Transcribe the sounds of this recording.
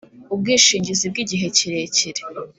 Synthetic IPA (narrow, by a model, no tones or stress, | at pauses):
ub̚ɡiːʃiːɲɟizib̚ɡiɟiɦe̞ciɾe̞ːciɾe̥